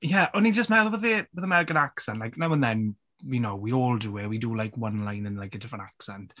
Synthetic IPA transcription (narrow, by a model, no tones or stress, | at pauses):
jɛʔɔnid͡ʒəstmɛðˠbəðibəðəmɛɾɪkənaksɛ̃ntlaɪjknawə̃nðɛn | winowwiɔːlˠduɪwidulajkʰwənlˠajnə̃nlajkətʰɪfənaksɛ̃nt